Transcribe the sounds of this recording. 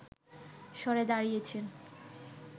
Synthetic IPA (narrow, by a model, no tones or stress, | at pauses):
ʃɔɾed̪aɾijet͡ɕʰen